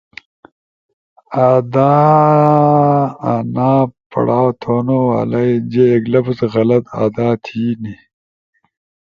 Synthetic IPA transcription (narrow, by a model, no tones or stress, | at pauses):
aːd̪aː | anaːpɐ̰ɽaːwt̪ʰoːnowa̰ːlɐjd͡ʑeːɡlɐpsɣɐlɐt̪a̰ːd̪aːt̪ʰiːni